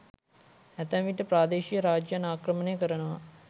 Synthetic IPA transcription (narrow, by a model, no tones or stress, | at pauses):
æt̪əʋʋiʈəpɾaːd̪eːʃijəɾaːd͡ʒjanaːkrəmənejəkəɾənəʋa̰